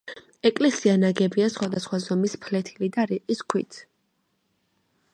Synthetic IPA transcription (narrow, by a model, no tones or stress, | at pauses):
ɛkʼlɛsianaɡɛbiasχwad̪asχwazɔmispʰlɛt̪ʰilid̪aɾiqʼiskʰwḭt̪ʰ